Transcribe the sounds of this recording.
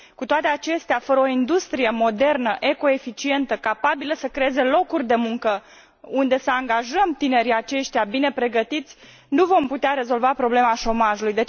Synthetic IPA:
kut̪oat̪e̞at͡ʃe̞st̪eafəɾəoind̪ust̪ɾije̞mo̞d̪e̞rnəʔe̞ko̞efit͡ʃie̞nt̪əkapabiləsəkɾeeze̞lo̞kurʲd̪e̞muŋkə | und̪e̞səaŋɡaʒəmt̪ine̞ɾiat͡ʃe̞ʃt̪eabine̞pɾe̞ɡət̪it̪sʲ | nuvo̞mput̪eaɾe̞zo̞lvapɾo̞ble̞maʃo̞maʒulujd̪e̞t͡ʃ

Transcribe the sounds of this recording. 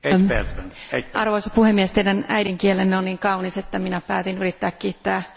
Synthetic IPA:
ɑrʋoisɑpuhemːiest̪eiɾænæ̰jɾiŋkielenːeonniːŋkɑuniset̪ːæminæpæːt̪inyrit̪ːæːkkiːt̪ːæː

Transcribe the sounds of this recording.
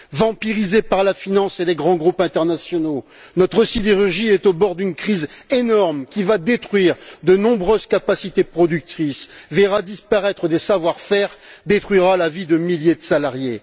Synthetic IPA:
vɑ̃piʁizepaʁlafinɑ̃seleɡʁɑ̃ɡʁupɛ̃t̪ɛʁnasjɔnonɔt̪χəsid̪eʁyʁʒiɛt̪obɔʁd̪ynkχizenɔʁmkʲivad̪et̪χɥiʁd̪ənɔ̃bʁøzkapasit̪epχɔd̪yk̚t̪χisvɛʁad̪ispaʁɛt̪χəd̪esavwaʁfɛʁd̪et̪χɥiʁalavid̪əmiljed̪əsalaʁje

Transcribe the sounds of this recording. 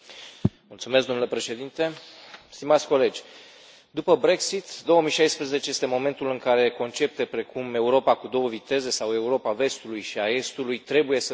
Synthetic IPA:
mult̪sumesɡd̪o̞mnule̞pɾe̞ʃe̞d̪int̪e̞st̪imat̪sʲko̞le̞d͡ʒʲ | d̪upəbɾe̞ksit̪d̪o̞wəmijʃajspɾeze̞t͡ʃe̞je̞st̪emo̞me̞nt̪ulɨŋkaɾe̞ko̞nt͡ʃe̞p̚t̪e̞pɾe̞kume̞uɾo̞pakud̪o̞wəvit̪e̞ze̞sawe̞uɾo̞pave̞st̪ulujʃiae̞st̪ulujt̪ɾe̞buje̞sə

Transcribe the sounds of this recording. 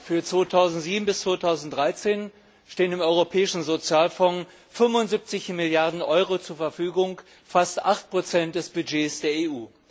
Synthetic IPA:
fyːɐt͡sv̥oːtʰaʊzn̩tz̥iːbm̩bɪst͡sv̥oːtʰaʊzn̩td̥ʁaɪt͡seːn | ʃteːənɪmʔɔʏʁopʰɛːɪʃn̩zot͡sjaːlfɔŋ | fʏmvʊntzip̚t͡sɪçmɪljaɐdn̩ʔɔʏʁot͡suːɐfɛɐfyːɡʊŋ | fastʔaχt̚pʁ̥ot͡sɛnt̚d̥ɛsb̥yd͡ʒeːsd̥eːɐeːuː

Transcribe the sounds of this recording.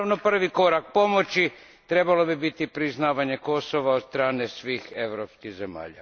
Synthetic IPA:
ʋno̞pr̩ʋiko̞ɾak̚po̞mo̞t͡ɕi | t̪ɾe̞balo̞bibit̪ipɾiznaːʋaɲe̞ko̞so̞ʋaod̪st̪ɾaːne̞sʋiːxe̞ʋɾopskiɣzema̰ːʎa̰

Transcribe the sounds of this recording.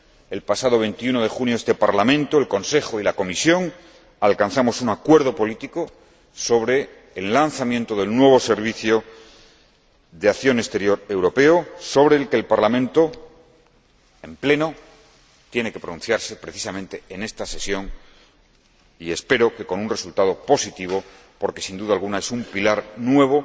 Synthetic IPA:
e̞lpasað̞o̞β̞e̞nt̪iuno̞ðe̞xunjoest̪e̞paɾlamẽ̞nt̪oelko̞nse̞xo̞ilako̞misjo̞ŋ | alkanθamo̞sunakwe̞ɾðo̞po̞lit̪iko | so̞β̞ɾe̞ː | lːanθamjẽ̞nt̪o̞ðe̞lnwe̞β̞o̞se̞ɾβ̞iθjo̞ | ðeaθjo̞ne̞st̪e̞ɾjo̞ɾe̞wɾo̞pe̞oso̞β̞ɾe̞ːlke̞ːlpaɾlamẽnt̪o̞ | e̞mple̞no̞ | t̪je̞ne̞ke̞pɾonũn̟θjaɾse̞pɾe̞θi̥samẽ̞nt̪eene̞st̪ase̞sjo̞ŋ | ie̞spe̞ɾo̞ke̞ko̞nunre̞sult̪að̞o̞po̞sit̪iβ̞o̞ | po̞ɾke̞sind̪uðalɣunae̞sumpilaɾnwe̞β̞o̞

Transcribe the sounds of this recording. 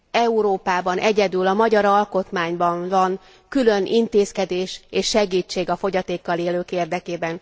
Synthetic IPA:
ɛuɾoːpaːbɒnʔɛɟɛd̪ylɒmɒɟɒɾɒlko̞t̪maːɲbɒɱvɒŋ | kylø̞nʔint̪eːskɛd̪eːʃeːʃːɛɡiːt͡ʃːeːɡɒfo̞ɟɒt̪eːkːɒleːløːkeːrd̪ɛkeːbɛn

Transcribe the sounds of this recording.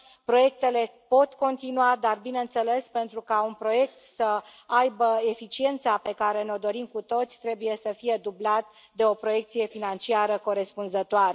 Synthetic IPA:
pɾo̞je̞k̚t̪e̞le̞po̞t̪ko̞nt̪inuad̪arbineɨnt̪sele̞spe̞nt̪ɾukaunpɾo̞je̞k̚t̪səajbəe̞fit͡ʃie̞nt̪sape̞kaɾe̞neo̞d̪o̞ɾimkut̪o̞t̪sʲt̪ɾe̞buje̞səfije̞d̪ublat̪ | d̪e̞o̞pɾo̞je̞k̚t̪sije̞finant͡ʃiaɾəko̞ɾe̞spunzət̪oaɾe

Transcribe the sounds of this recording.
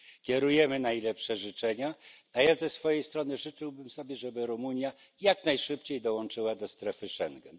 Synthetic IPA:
kʲɛɾujɛmɘnajlɛpʂɛʐɘt͡ʂɛɲaajazɛsfɔjejst̪ɾɔnɘʐɘt͡ʂɘwbɘmsɔbʲjɛʐɛbɘɾumuɲjajaknajʂɘpt͡ɕejd̪ɔwɔnt͡ʂɘwad̪ɔst̪ɾɛfɘʂɛŋɡɛn

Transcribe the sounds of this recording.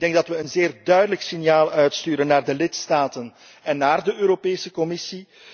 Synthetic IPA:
dɛŋɡdɑtʋəənzeːrdœɥdələksɪnjaːlˠœɥtstyːɾənːaːrdəlɪtstaːtən | ɛnːaːrdəøːɾopeːsəkɔmɪsi

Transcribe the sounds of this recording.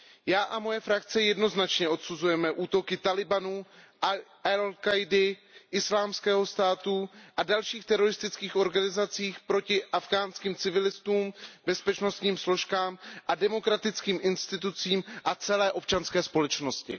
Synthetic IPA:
jaːʔamo̞jɛfɾakt͡sɛjɛdno̞znat͡ʃɲɛʔo̞t̪suzujɛmɛʔuːt̪o̞kɪt̪alɪbanuːʔ | alkajdɪʔɪslaːmskɛːɦo̞st̪aːt̪uʔadalʃiːxt̪ɛɾo̞ɾɪst̪ɪt͡skiːxʔo̞ɾɡanɪzat͡siːxpɾo̞cɪʔafɡaːnskiːmt͡sɪvɪlɪst̪uːmbɛspɛt͡ʃno̞st̪ɲiːmslo̞ʃkaːmʔadɛmo̞kɾat̪ɪt͡skiːmʔɪnst̪ɪt̪ut͡siːmʔat͡sɛlɛːʔo̞p̚t͡ʃanskɛːspo̞lɛt͡ʃno̞scɪ̰

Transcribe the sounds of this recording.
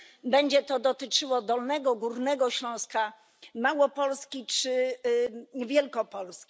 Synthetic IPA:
bɛɲd͡ʑɛt̪ɔd̪ɔt̪ɘt͡ʂɘwɔd̪ɔlnɛɡɔɡuɾnɛɡɔɕlɔ̃w̃ska | mawɔpɔlskʲit͡ʂɘ | vʲjɛlkɔpɔlskʲi̥

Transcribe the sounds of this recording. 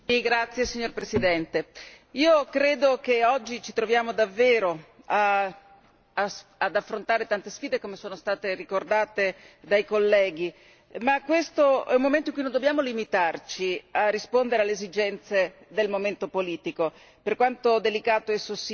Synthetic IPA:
iɡɾat̪sːjesiɲːorpɾesid̪ɛnt̪e | iːokɾeːd̪ok̟eɔd͡ʒːit͡ʃit̪ɾovjaːmod̪avːeːɾo | a | sad̪afːɾont̪aːɾet̪ant̪esfiːd̪ekomesoːnost̪aːt̪erikord̪aːt̪ed̪ajkolːɛːɡ̟i | makːwest̪oɛumːoment̪oiŋkuinond̪objaːmolimit̪art͡ʃiarːispond̪eɾealːeːzid͡ʒɛnt̪sed̪elmoment̪opoliːt̪iko | perkwant̪od̪elikaːt̪oesːos

